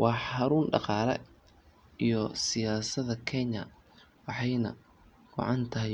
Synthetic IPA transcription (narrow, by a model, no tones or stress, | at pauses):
wʔɑːħɑɾuːnɖɑ̰qɑːlɛ̰ | ijɔsɪjaːsɐðɐkʰɛɲɐ | wɑħɑjnɐ̰ | ɡ̥ɔ̰ʕɑnt̪ʰɐɦɪ